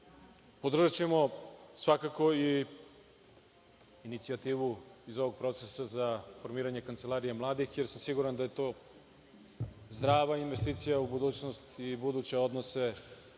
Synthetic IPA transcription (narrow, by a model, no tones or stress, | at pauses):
po̞d̪r̩ʒat͡ɕe̞mo̞sʋakako̞i | init̪siat̪iːʋuizo̞ʋoɡ̚pɾo̞t̪sesazafo̞ɾmiːɾaɲe̞kant̪se̞lˠaːɾijemlˠaːd̪ixje̞ɾsamsiɡuɾand̪aje̞t̪o̞ː | zd̪ɾaːʋainʋe̞st̪iːt̪sijaubud̪uːt͡ɕnost̪ibud̪uːt͡ɕe̞o̞d̪nose̞